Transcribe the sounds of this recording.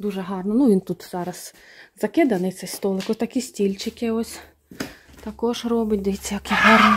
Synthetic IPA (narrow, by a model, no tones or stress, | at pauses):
d̪uʒɛɦɑrnɔnuʋʲint̪ut̪zɑɾɐszɐkɪd̪ɐnɪj̪sɛst̪ɔlˠɪkɔt̪ɐkʲisʲtʲilʲt͡ʃɪkɪɔsʲ | t̪ɐkɔʃrɔbɪt̚ʲd̪ɐjɛt͡sʲːjakʲɪɦɑrn